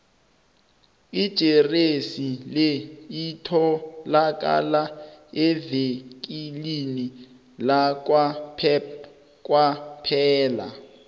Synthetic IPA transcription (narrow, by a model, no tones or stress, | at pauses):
id̥ʒ̥ʱeresileitʰɔlak̬ʼa̰laɛvek̬ʼilini | lak̬wapʰɛ | kʼwapʰɛːla̰